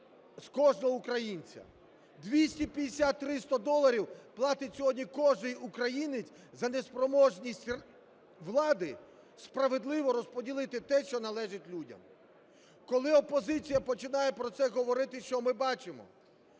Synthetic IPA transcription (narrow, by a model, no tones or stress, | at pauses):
skɔʒnɔɦɔukɾɐjinʲt͡sʲɐ̰ | d̪ʋʲisʲtʲipʲjɐd̪esʲat̪ːɾɪst̪ɐd̪ɔlˠːɐɾʲiwplˠɑt̪ɪtʲsʲɔɦɔdʲnʲikɔʒnɪjukɾɐjinɪt͡sʲ | zɐnespɾɔmɔʒnʲisʲtʲr | ʋlˠɑd̪ɪ | spɾɐʋed̪lˠɪʋɔɾɔspɔdʲilˠɪt̪ɪt̪ɛʃt͡ʃɔnɐlˠɛʒɪtʲlʲudʲɐ̰m | kɔlˠɪɔpɔzɪt͡sʲijɐpɔt͡ʃɪnɑjɛpɾɔt̪sɛɦɔʋɔɾɪt̪ɪʃt͡ʃɔmɪbɑt͡ʃɪmɔ̰